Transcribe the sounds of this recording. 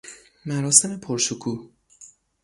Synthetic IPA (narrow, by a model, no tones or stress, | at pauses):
mæɾɒːse̞me̞pʰoɾʃokʰuː